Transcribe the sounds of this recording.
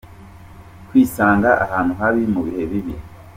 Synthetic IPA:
kwiːsaːŋɡaʔahaːn̥huɦaβimuβihe̞βiβi

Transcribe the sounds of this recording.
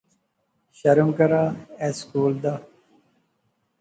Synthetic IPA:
ɕɐɾumkɐɾaːeːskuːld̪aː

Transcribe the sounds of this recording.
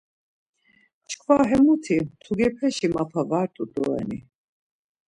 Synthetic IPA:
t͡ʃʰkʰvaɦɛmut̪ʰit̪ʰuɡɛpʰɛʃimapʰavaɾt̪ʼud̪ɔɛ̰nḭ

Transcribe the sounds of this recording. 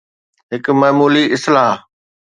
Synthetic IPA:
ɦɪkmɐːmuːliʔɪslaːɦ

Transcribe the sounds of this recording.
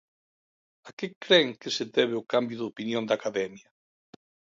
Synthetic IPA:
akekɾɛŋkɪseðɛβeʊkambjʊðopinjõnd̪akaðɛmjɐ

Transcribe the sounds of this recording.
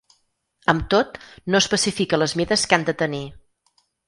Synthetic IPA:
əmt̪ot̪noəspəsifikələzmiðəskand̪ət̪əni

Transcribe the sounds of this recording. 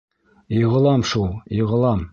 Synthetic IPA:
jɤʁɤ̆lˠɑmʃulˠjɤ̆ʁɤ̆lˠɑm

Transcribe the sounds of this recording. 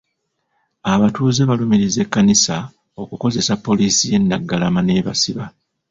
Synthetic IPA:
aβatuːzeβalumiɾize̞kːanisa | o̞kuko̞ze̞sapːo̞liːsije̞nːaɡːalamane̞ːβasiβa

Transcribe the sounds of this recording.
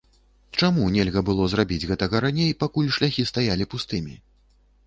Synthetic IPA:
t͡ʂamunʲɛlʲɣɐbɨlˠɔzrabʲid͡zʲɣɛt̪ɐɣɐɾanʲejpakulʲʂlʲaxʲist̪ajalʲipust̪ɨmʲi

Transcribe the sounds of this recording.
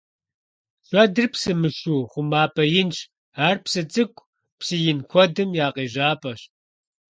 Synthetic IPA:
ɬʷʼɐdɨrpsɨmɨʃuːχʷʊmaːpʼʰɐjɪnt͡ʃʰ | aːrpsɨt͡sʼɨkʷʼ | psɨjɪnkʷʰɔdɨmjaːqeːʒaːpʼɐɕ

